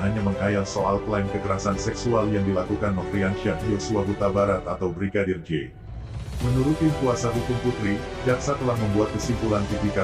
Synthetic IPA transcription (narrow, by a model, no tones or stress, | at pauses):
ɦaɲaməŋkajalsoʔalklainkəkəɾasansɛksualjaŋdilakukanməŋfɾiansianijosuabut̪abaɾat̪at̪awbəɾikadird͡ʒe | mənuɾut̪inkuasat̪ut̪uŋput̪ɾibiaksat̪əlahməmbuat̪̚kəsimpulank̪it̪ika